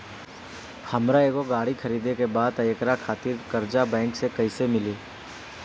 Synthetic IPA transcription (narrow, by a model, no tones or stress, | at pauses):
hɐmɾaeːɡoɡaːɽikʰɐɾiːd̪ekebaːd̪ɐjəkɾakʰaːt̪ɪɾkɐɾd͡ʒabɛ̃ːŋksekɐisemɪliː